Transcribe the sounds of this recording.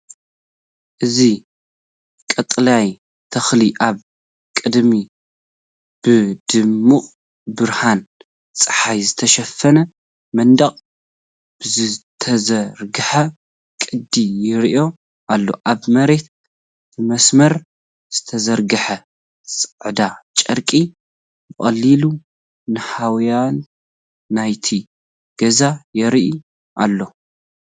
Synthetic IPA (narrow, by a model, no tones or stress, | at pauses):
ʔɨzi | kʼɐt̪ʼlaj | t̪ʰɐxliʔaβ | kʼɨd̪mi | b̥ɨd̪ɨmːuʔʼ | bɨɾhan | t͡sʼɨħajzɨt̪ʰɐʃɐfːɐnɐ | mɐnd̪ɐχʼ | b̥ɨzɨt̪ʰɐzɐɾɡɨħɐ | kʼɨd̪ijɪɾʔo̞ | ʔalːo̞̰ʔaβmɐɾe̞t̪ | bɨmɐsmɐɾ | z̥ɨt̪ʰɐzɐɾɡɨħɐ | sʼɨʕd̪at͡ʃʼɐɾkʼi | jɨχʼɐ̰lːilu | nɨhawjanː | ajt̪ʰi | ɡ̥ɐzajɛɾʔu | ʔa̰lːo̞